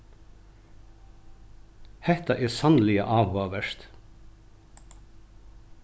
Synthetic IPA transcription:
hɛt̪ɑʔeːsɑnlɪə̰ʔɑːʋhoːʋəʃt̪

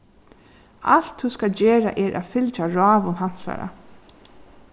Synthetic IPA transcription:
a̰l̥t̪huskald͡ʒɛːɹa̰ʔɛɾʔa̰fɪlt͡ʃaɹɑːʋʊnɦan̥sa̰ɾa̰

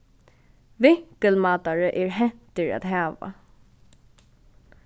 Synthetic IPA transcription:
vɪhkəlmaːt̪aɹəʔɛɹɦɛt̪ɪɹa̰t̪ɦaːʋa̰

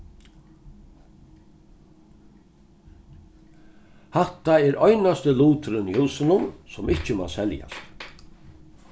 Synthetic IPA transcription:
hat̪aɛɾɔjnast̪əluːt̪ɾʏnihuːsɪnʊnsɔmɪht͡ʃəma̰sɛlja̰st̪

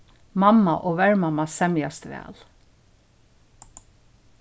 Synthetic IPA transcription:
mamːaʔoːʋɛɹmamasɛmjast̪ʋæ̰ːl

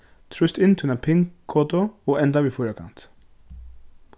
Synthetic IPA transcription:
t̪ʰɾʉst̪ɪnt̪ʰʉnəpʰɪŋkʰːoːt̪ʊoːʔɛnd̪ɑʋiːfuːɾəkʰɑ̰nt̪

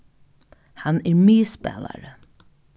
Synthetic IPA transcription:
hanɛɹmiːspɛ̰ːla̰ɹə

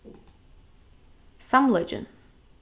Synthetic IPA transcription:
sʌ̃mlɛd͡ʒə̰̃n

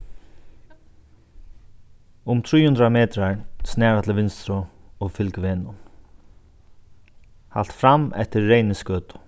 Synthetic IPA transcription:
ʊmt̪ʰɾiːhʊnd̪ɾamɛːt̪ɾaɹsnɛːɹat̪ʰɪlʋɪnst̪ɾʊɔfɪlkvɛːnʊ | ha̰l̥t̪fɾamɛ̰ht̪ɪɹːejnɪskœːt̪ʊ̥

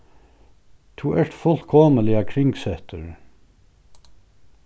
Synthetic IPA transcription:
t̪ʰuːʔæʈfɔlkʰɔməlɪəkʰɹɪŋɡsɛt̪ʰəɹ

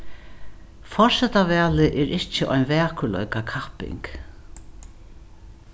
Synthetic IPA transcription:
fɔ̥sɛt̪avɛːlɪʔɛɾɪht͡ʃɪʔɔjnvɛːkʏlɔ̰ɥkakʰahpɪ̰ŋk

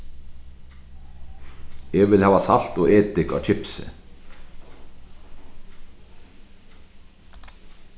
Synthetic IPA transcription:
ɛvɪlhæːvasal̥t̪ɔɣeːt̪ɪka̰wt͡ʃʰɪpsɪ̰

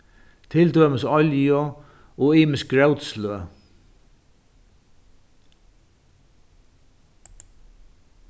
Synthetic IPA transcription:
t̪ʰɪld̪øːməsɔljɔ | ɔiːmɪsk̚ɡɾɛwt̪sløː

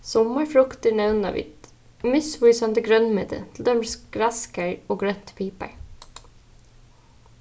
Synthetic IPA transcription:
sɔməɹfɾʊkt̪əɳæʉnɑ̰ːʋɪ̰t̪ | mɪsʋʉʏsɑnd̪əɡɾœnmʏd̪ə̰t̪ʰl̩d̪ɛmsɡ̥ɾæskəɹoːɡɹœt̪pʰiːpə̰ɹ

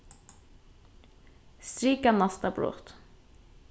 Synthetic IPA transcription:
st̪ɾiːkɑnɑst̪ɑblṵːʁt̪

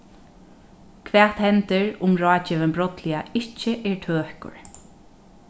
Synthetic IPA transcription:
kʰvɛːt̪hɛnt̪ɪɹʊmɹɑːt͡ʃɪʋəmbɾɔt̪lɪaɪht͡ʃːɪʔɛɹt̪ʰøːhkʊ̰ɹ

